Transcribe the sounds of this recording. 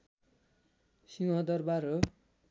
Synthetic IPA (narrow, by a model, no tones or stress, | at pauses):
siwʌ̃d̪ʌrbaɾʌ